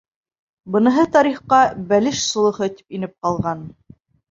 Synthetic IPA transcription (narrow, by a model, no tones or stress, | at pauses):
bɤ̆nɤ̆ɦɤt̪ɑɾiχqɑbælɘʃsŏlˠɤ̆hɤt̪i̥pinɘp̚qɑlˠʁɑn